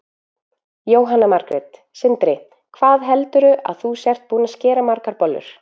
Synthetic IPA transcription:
joːwɦanːamaɾkɾɛt̪ | sɪnt̪ɾɪ | kʰvaːðɦɛlt̪ʏɾʏʔa̰ðθusjɛr̥t̪̚puːnascɛːɾamaɾkaɾpɔlːʏ̰ɾ̥

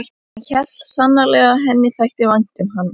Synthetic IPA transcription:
jt̪ | çɛl̥sanːaɾlɛɣaɦɛnːɪθajht̪ɪvajn̥t̪ʏnɦanː

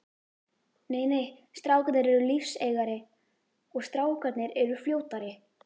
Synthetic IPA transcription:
neːjneːjst̪ɾaːwkat̪nɪɾɛɾʏlifseːjɣaɾɪ | ɔɣst̪ɾaːwkʰat̪nɪɾɛɾʏfljoːwt̪aɾɪ

